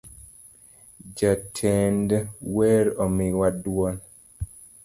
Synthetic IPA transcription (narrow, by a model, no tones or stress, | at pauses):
d͡ʒatʰɛndwɛɾɔmɪwadwɔn